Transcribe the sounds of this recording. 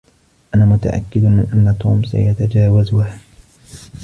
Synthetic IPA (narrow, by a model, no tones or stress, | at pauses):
ʔanaːmʊt̪a̰ʔa̰kːɪd̪ɪʔanːat̪uːmsa̰jat̪ad͡ʒaːwazʊha